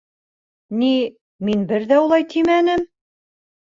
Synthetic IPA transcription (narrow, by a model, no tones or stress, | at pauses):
ni | minbɘɾðæulˠɑjt̪ʰimænɘm